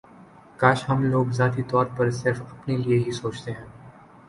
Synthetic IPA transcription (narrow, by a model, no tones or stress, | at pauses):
kaːʃɦɐmloːɡzaːt̪it̪ɔːɾpɐɾsɪɾfɐpnelieɦisoːt͡ʃt̪eɦɛ̃ː